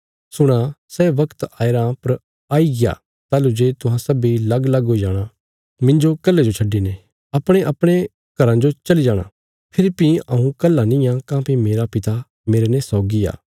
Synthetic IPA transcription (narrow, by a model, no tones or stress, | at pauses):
sʊɽ̃asɛʋɐkt̪aːeɾapɐɾ | aːiɡɪja̰ː | t̪aːlud͡ʒeːt̪ʊɦãsɐbilɐɡlɐɡoid͡ʒaːɽ̃a | mɪ̃nd͡ʒokɐlːed͡ʒot͡ʃʰɐɖːinẽ | ɐpɽ̃eʔɐpɽ̃e | ɡ̥ɐɾãd͡ʒot͡ʃɐlid͡ʒaːɽ̃ã̰ | pʰɪɾpĩɐũkɐlːanɪ̃jãkãːpimeːɾapɪt̪a | meːɾenɛsɔːɡia̰ː